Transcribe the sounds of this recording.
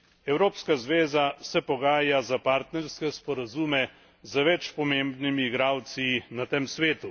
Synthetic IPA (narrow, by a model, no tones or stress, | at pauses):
ɛwɾoːpskazʋeːzasɛpɔɡaːjazapaɾt̪nɛɾskɛspɔɾazuːmɛ | zəʋɛt͡ʃpɔmeːmbnimiːɡɾaːwt̪sinat̪emsʋeːt̪u